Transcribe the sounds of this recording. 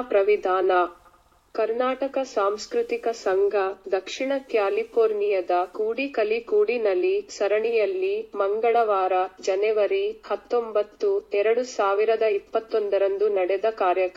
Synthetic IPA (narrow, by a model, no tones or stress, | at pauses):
pɾɐʋid̪ʱaːnɐ | kɐɾnaːʈɐkɐsaːmskɾut̪ikɐsɐŋɡʱɐd̪ɐkʂiɳɐkjaːlipʰoːɾnijɐd̪ɐkuːɽikɐlikuːɽinɐlːisɐɾɐɳijɐlːimɐŋɡɐɭɐʋaːɾɐd͡ʒɐnɛʋɐɾihɐt̪ːombɐt̪ːuɛɾɐɽusaːʋiɾɐd̪ɐipːɐt̪ːond̪ɐɾɐnd̪unɐɽɛd̪ɐkaːɾjɐk